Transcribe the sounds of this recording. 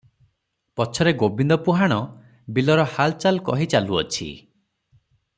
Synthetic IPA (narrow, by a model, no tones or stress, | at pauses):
pɔt͡ʃʰɔɾeɡobind̪ɔpuɦaɽ̃ɔ | bilɔɾɔhalt͡ʃalkɔɦit͡ʃaluɔ̰t͡ʃʰḭ